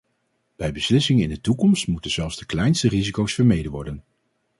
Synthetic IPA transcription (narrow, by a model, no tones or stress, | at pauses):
b̥ɛjbəslɪsɪŋɪndətukɔmstmutənz̥ɛlˠfz̥dəklɛjnstərizikowsfəɹmejdəʋɔɹdən